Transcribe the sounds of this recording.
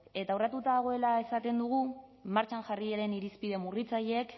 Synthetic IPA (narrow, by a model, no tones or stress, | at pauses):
e̞t̪awrat̪ut̪aðaɣ̞o̞e̞lae̞sat̪e̞nd̪uɣ̞umaɾt͡ʃaŋʝarieɾe̞niɾispiðe̞murit͡saʎeek